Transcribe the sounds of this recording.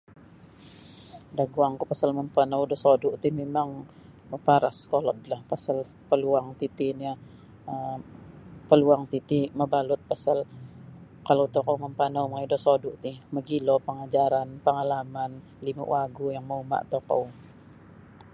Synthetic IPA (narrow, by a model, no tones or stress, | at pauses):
dahɡuaŋkupasalməmpanawdɔsodʊʔt̪imemaŋ | məpaɾa̰skolɔt̪̚lahpasal | pəluaŋt̪it̪inia | ə | pəluaŋt̪it̪iməbalʊt̪̚pasal | kalowt̪ɔkowməmpanawmajidɔsodʊʔt̪ɪhməɡilopəŋad͡ʒaɾanpəŋalaman | lima̰ʔwaɡujaŋməuma̰ʔt̪oko̰w